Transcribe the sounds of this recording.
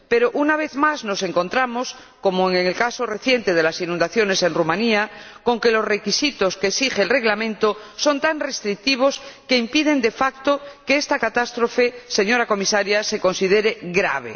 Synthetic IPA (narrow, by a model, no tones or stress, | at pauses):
pe̞ɾoʔunaβ̞e̞θmaznose̞ŋko̞nt̪ɾamo̞s | ko̞moeŋeŋelkasore̞θje̞nt̪eð̞elasinũnd̪aθjo̞ne̞se̞nrumãniako̞ŋke̞lo̞sre̞kisit̪oskeːsixeːlre̞ɣlamẽnt̪oso̞nt̪aŋre̞st̪ɾik̚t̪iβ̞o̞ske̞impiðe̞nd̪e̞fakt̪okeest̪akat̪ast̪ɾofese̞ɲo̞ɾako̞misaɾjase̞ko̞nsið̞eɾeɣɾa̰β̞ḛ